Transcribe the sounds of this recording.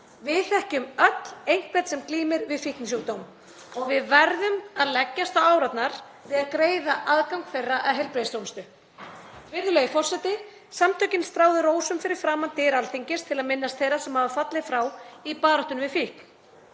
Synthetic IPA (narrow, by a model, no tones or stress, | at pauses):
vɪðθɛhcʏmœt̪lejŋ̥k̚pɛt̪sɛmkliːmɪɾvɪðfihk̪nɪs̬uːkt̪owm | ɔɣvɪðvaɾðʏmaðlɛcːast̪θawaːwɾat̪naɾ̥ | vɪðaðkɾeːjðaʔaðkawŋkfejrːaʔɛðɦɛjlpɾejst̪owmst̪ʏ | vɪɾðʏlejɪfɔr̥sɛt̪ɪ | samt̪ʰœcɪnst̪ɾaːwðʏɾoːwsʏmfɪɾɪɾ̥fɾaːmant̪ɪːɾalθiɲcɪst̪ʰɪlaðmɪnːast̪θejɾasɛmhavafat̪lɪfɾaːwipaːðɾɔht̪ʏnvɪðfihkn